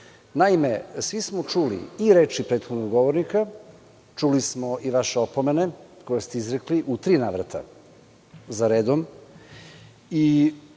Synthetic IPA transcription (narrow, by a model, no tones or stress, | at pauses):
naime̞sʋismot͡ʃulḭiɾe̞ːt͡ʃipɾet̪xod̪noɡɡo̞ʋoɾnika | t͡ʃulismoiʋaʃeopomeneko̞jest̪eizɾekliʔut̪ɾiːnaːʋɾa̰t̪ʰa̰ | zaɾeːd̪om | i